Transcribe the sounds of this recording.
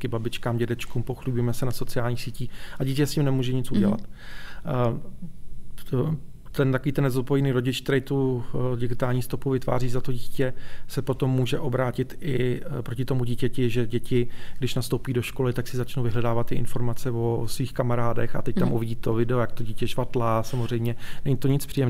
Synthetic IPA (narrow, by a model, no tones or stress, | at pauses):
kɪbabɪt͡ʃkaːmɟɛdɛt͡ʃkumpo̞xlɪbujmɛsɛnaso̞t͡sɪjaːlɲiːxsiːciːxʔaɟiːcɛscɪmnɛmuːʒɛɲɪt͡suɟɛla̰t̪ | t̪ɛnt̪akoviːt̪ɛnɛzot̪̚pojniːɾo̞ɟɪt͡ʃk̚t̪ɛɾɛjt̪uɟɪɡɪt̪aːlɲiːst̪o̞puvɪt̪va̰ːriːzat̪o̞ɟicɛsɛpo̞t̪o̞mːuːʒɛʔo̞bɾaːcɪt̪ɪpɾocɪt̪o̞muɟiːcɛcɪʒɛɟɛcɪɡdɪʃnast̪owpiːdo̞ʃko̞lɪt̪aksɪzat͡ʃnowvɪɦlɛdaːvat̪ːɪʔɪ̰nfo̞ɾmat͡sɛvosviːxkamaɾaːdɛ̰xa̰t̪ɛc̚t̪amʔuvɪɟiːt̪o̞vɪdɛojak̚t̪oɟiːcɛʃvat̪lasamozr̝ɛjmɲɛnɛɲɪt̪o̞ɲɪt͡spr̝̥ijɛm